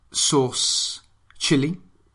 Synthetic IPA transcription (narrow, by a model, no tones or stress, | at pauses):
suʁs | t͡ʃɪli